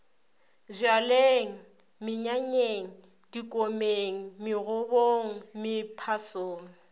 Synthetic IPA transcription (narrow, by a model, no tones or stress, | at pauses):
rjaleŋ̩ | mɪɲaɲeŋ̩ | d̥ikʼomeŋ̩mɪɣʊboŋ̩mɪpʰasoːŋ̩